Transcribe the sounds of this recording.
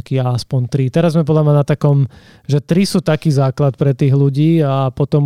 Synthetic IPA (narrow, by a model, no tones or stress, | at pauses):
kiaaspɔnt̪ɾit̪ɛɾazːmɛpɔd̪lamɲanat̪akɔm | ʒɛt̪ɾisuːt̪akiːzaːklat̪̚pɾɛt̪iːɣluɟiːapɔt̪ɔm